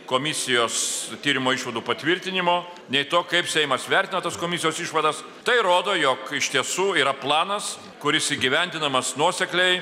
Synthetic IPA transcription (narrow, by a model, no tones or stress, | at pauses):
koːmʲɪsʲɪjoːst̪ʲiːɾʲɪmoːiʃʋɐd̪uːpɐt̪ʲʋʲɪɾʲt̪ʲɪnʲɪmoː | nʲɛɪt̪oːkɐɪpsʲɛɪmɐsʋʲɛɾʲt̪ʲɪnɐt̪ɐskoːmʲɪsʲɪjoːsiʃʋɐd̪ɐs | t̪ɐɪɾoːd̪oːjoːkɪʃt̪ʲiɛsuːiːɾɐplˠɑːnɐs | kʊɾʲɪsiːɡʲɪʋʲɛnʲd̪ʲɪnɐmɐsnuɔsʲɛklʲɛɪ